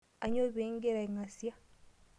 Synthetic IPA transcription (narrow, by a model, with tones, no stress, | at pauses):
a˨ɲo˦βeːŋɡe˦ɾa˨iŋa˨sja˦